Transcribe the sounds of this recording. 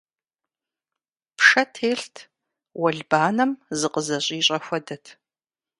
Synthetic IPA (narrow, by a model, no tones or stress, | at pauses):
pʰʂɐtʰeːɬtʰ | wɐɮbaːnɐmzɨqʼəzɐɕʼiːɕʼɐxʷɐdɐtʰ